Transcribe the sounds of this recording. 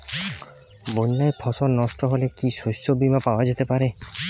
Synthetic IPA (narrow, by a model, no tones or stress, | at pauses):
boɲːajpʰɔsɔɾnɔsʈɔɦolekisosobimapawad͡ʒet̪epaɾe